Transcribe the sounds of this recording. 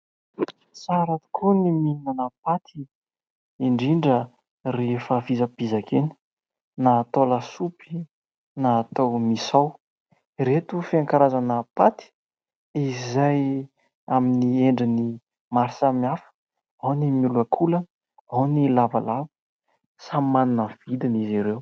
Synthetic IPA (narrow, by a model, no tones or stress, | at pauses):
saɾat̪u̥kʰuniminanəpat̪ʰi | iɳɖ͡ʐiɳɖ͡ʐə | refavizəpizakʰeni̥ | nat̪olasupi̥ | naːt̪awmisaw | ret̪ufiaŋkaɾazanəpat̪i̥ | izaj | aminieɳɖ͡ʐini | maɾsamiafə̥ | awnimuluakʰulə | awnilava̰lavə̥ | samanunəv̥id̪iniziɾew